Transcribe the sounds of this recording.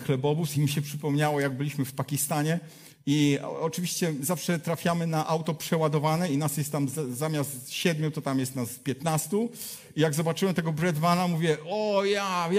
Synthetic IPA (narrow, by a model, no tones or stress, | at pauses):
xlɛbɔbusimɕɛpʂɘpɔmɲawɔjaɡ̚bɘlʲiɕmɘfpakʲist̪aɲɛ | iɔ̰ɔt͡ʂɨvʲiɕt͡ɕɛzafʂɛt̪ɾafʲjamɘnaʔawt̪ɔpʂɛwad̪ɔvanɛinasjɛst̪t̪ːamzzamʲjast̪ɕɛd̪mʲjut̪ɔt̪amjɛst̪naspʲjɛt̪nast̪u | ijaɡzɔbat͡ʂɘwɛmt̪ɛɡɔbɾɛd̪manamuvʲjɛɔja